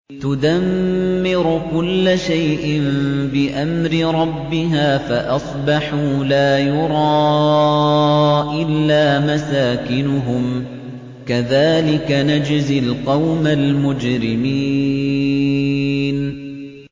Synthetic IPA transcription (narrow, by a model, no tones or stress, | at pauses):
t̪ʊd̪amːɪɾʊkʊlːaʃajʔɪmbɪʔamɾɪɾˤɑbːɪɦaːfaʔɑsˤbɑħuːlaːjʊɾˤɑː | ʔɪlːaːmasaːkɪnʊɦʊm | kaðaːlɪkanad͡ʒzɪlqɑwmalmʊd͡ʒɾɪmiː | n